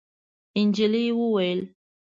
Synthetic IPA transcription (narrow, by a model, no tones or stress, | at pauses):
ind͡ʒiliwuwel